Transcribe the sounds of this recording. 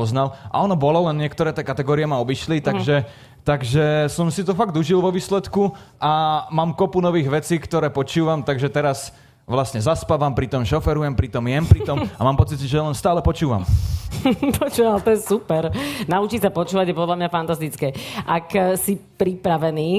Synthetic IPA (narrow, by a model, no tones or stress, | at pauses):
ɔznalʔa̰ɔnɔbɔlɔlɛnɲɪɛkt̪ɔɾɛːt̪ɛːkat̪ɛɡɔːɾɪɛmaɔbiʃlit̪aɡʒɛ | t̪aɡʒɛsɔmsit̪ɔfaɡd̪uʒilʋɔʋiːslɛt̪kuʔamaːmkɔpunɔʋiːɣʋɛt͡siːkt̪ɔɾɛːpɔt͡ʃuːʋamt̪aɡʒɛt̪ɛɾas | ʋlasɲɛzaspaʋampɾit̪ɔmʃɔfɛɾujɛmpɾit̪ɔmjɛmpɾit̪ɔmamaːmpɔt͡sit̪ʒɛjalɛnst̪aːlɛpɔt͡ʃuːʋa̰m | pʰɔt͡ʃuːʋalt̪ɔjɛsupɛɾnaut͡ʃiːsapɔt͡ʃuːʋaɟjɛpɔd̪lamɲafant̪ast̪it͡skɛːʔaksipɾipɾaʋɛniː